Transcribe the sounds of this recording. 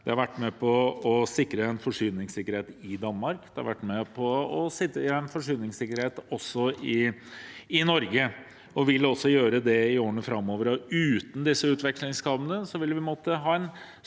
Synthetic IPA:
d̪̥ɛhɑɾʋæʈːmɛpʰɔɔsɪkːɾəɛnfɔʂyːnɪŋsɪkːəɾheːt̪ɪd̪ɑnːmɑɾkd̪ɛhɑ̰ɾʋæ̰ʈːmɛpʰɔɔsɪəɛnfɔʂyːnɪŋsɪkːəɾheːt̪ɔsːɔɪ | ɪnɔɾɡə | ɔʋɪlːɔsːɔjøːɾəd̪ɛɪoːɾənəfɾɑmːoːʋəɾɔʉːt̪n̩d̪ɪsːəʉːt̪ʋɛkʂlɪŋskʰɑʋənəsɔʋɪlːʋɪpmoːt̪əɦɑːɛn

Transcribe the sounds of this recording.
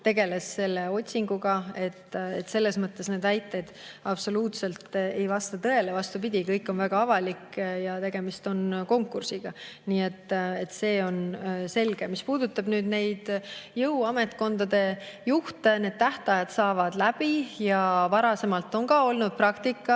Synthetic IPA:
t̪e̞ɡe̞le̞sːe̞lːe̞o̞t̪ʲsiŋɡ̥uɡ̥ɑe̞t̪ːḛt̪se̞lːe̞smɤt̪ːˑe̞sne̞ːd̪̥æjt̪ːˑed̪̥ɑb̥so̞luːt̪se̞lt̪e̞jvɑst̪ɑt̪ɤe̞levɑst̪upid̪̥ʲikɤjkːˑo̞nvæɡ̥ɑɑvɑlikjɑt̪e̞ɡ̥e̞mist̪o̞nko̞ŋkːˑursiɡ̥ɑniːe̞t̪ːe̞t̪se̞ːo̞nse̞lɡ̥e̞mispuːd̪ut̪ːˑɑb̥nyːd̪ne̞jd̪̥jɤwɑme̞t̪ˑko̞nd̪ɑd̪e̞juht̪ene̞d̪̥̚t̪æht̪ɑjɑd̪̥sɑːvɑd̪̥læbijɑvɑɾɑse̞mɑlt̪ːˑo̞ŋɡɑːo̞lnud̪̥̚prɑkt̪ikˑːɑ

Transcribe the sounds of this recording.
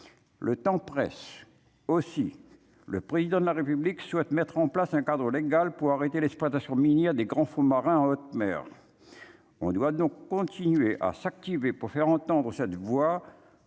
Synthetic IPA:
lət̪ɑ̃pχɛ̰s | osi | lə̰pχezid̪ɑ̃d̪əlaʁepyblikswɛt̪mɛt̪χɑ̃plasɛ̃kad̪ʁəleɡalpuʁaʁet̪elɛksplwat̪asjɔ̃minjɛʁd̪eɡʁɑ̃fũmaʁɛ̃ɑ̃ot̪mɛ̰ːʁ | ɔ̰̃d̪wad̪ɔ̃kːɔ̃t̪inɥeʔa̰sak̚t̪ivepuʁfɛʁɑ̃t̪ɑ̃d̪ʁəsɛt̪vwa

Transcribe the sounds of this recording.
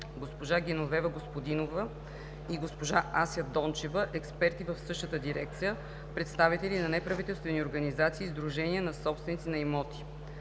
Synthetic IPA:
ɡospoʒaɡʲɛnovɛvəɡospod̪inovə | iɡospoʒaʔasjəd̪ɔnt͡ʃɛvəʔɛkspɛɾt̪ivəfsɤʃt̪ət̪əd̪iɾɛk̚t̪sijə | pɾɛt̪st̪avit̪ɛlinɐnɛpɾɐvit̪ɛlˠst̪vɛnioɾɡɐnizat̪siːzd̪ɾuʒɛniənɐsɔpst̪vɛnit̪inɐɛmɔt̪i̥

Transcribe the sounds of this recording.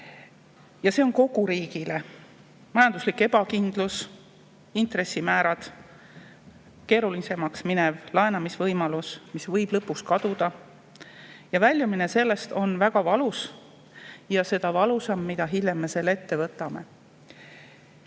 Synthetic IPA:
jɑse̞o̞nko̞ɡ̥uɾiːɡ̥ile | mɑjɑnd̪uslikːe̞b̥ɑkind̪̥lus | int̪ɾe̞sːimæːɾɑd̪̥ | ke̞ːɾulise̞mɑksminevlɑenɑmisvɤjmɑlusmisvɤjb̥lɤpːukskɑd̪̥ud̪̥ɑ | jɑvælʲjumine̞se̞lːe̞st̪o̞nvæɡ̥ɑvɑlus | jɑse̞d̪ɑvɑlusɑmːid̪ɑɦilʲjemːese̞lːet̪ːe̞vɤt̪ːˑɑme̞̰

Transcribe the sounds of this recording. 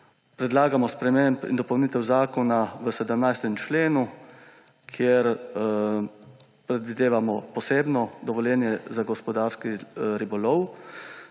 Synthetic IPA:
pɾɛd̪laːɡamɔspɾɛmempḭnd̪ɔpɔwnit̪ɛwzaːkɔnaʋəsɛd̪əmnajst̪ɛmt͡ʃleːnu | kʰjeɾ | pɾɛd̪ʋid̪eːʋamɔpɔseːbnɔd̪ɔʋɔljɛːnjɛzaɡɔspɔd̪aːɾskiɾibɔlɔw

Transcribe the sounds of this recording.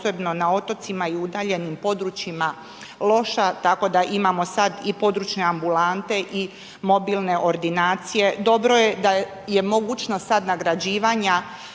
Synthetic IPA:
sebno̞nao̞t̪o̞t̪simaiud̪aːʎe̞nimpo̞d̪ɾut͡ʃima | lˠo̞ʃat̪ako̞d̪aʔimamo̞sad̪ipo̞d̪ɾuːt͡ʃneambulant̪e̞ʔi | mo̞bilne̞ʔo̞ɾd̪inaːt̪sije̞d̪o̞bɾo̞je̞d̪a | je̞mo̞ɡuːt͡ʃnosad̪naɡɾad͡ʑiːʋaɲa

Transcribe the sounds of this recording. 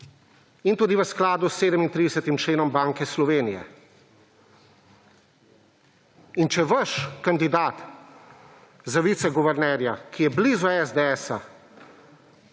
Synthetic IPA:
int̪uːd̪iʋəsklaːd̪usːeːd̪əmint̪ɾid̪ɛsət̪imt͡ʃleːnɔmbaːŋkɛslɔʋeːnijɛ̰ | int͡ʃɛʋəʃkand̪id̪aːt̪ | zaʋiːt̪sɛɡuʋɛɾnɛɾjakijɛblizɔɛzd̪eɛːsa

